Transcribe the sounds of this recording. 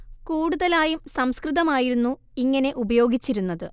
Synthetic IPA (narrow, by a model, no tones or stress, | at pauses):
kuːɽuðɐlaːjumsɐmskriðɐmaːjiɾunːu | iŋːɐne̞ʔubɐjo̞ːɡit͡ɕːiɾunːɐðɨ